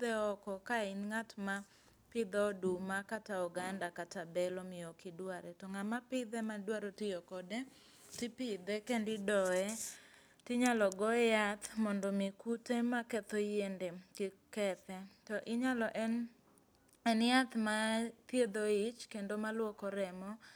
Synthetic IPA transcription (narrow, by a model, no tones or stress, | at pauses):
d̪ɛɔkɔkaɪnŋatma | pɪd̪ɔdumakataɔɡandakatabɛlɔmɪɔkɪdwaɾɛtɔŋamapɪd̪ɛmadwaɾotɪjɔkɔdɛ | tɪpɪd̪ɛkɛndɪdɔɛ | tɪɲalɔɡɔjat̪mɔndɔmɪkutemakɛt̪ojendekɪkɛt̪ɛtɔʔɪɲalɔʔɛn | ɛnjat̪mat̪jed̪oɪt͡ʃkendomalwɔkɔɾɛmɔ